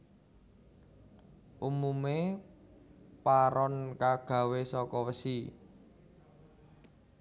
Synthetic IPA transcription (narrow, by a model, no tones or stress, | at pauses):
ʔumume | paɾɔnkaɡ̥ä̤wesɔkɔwəsi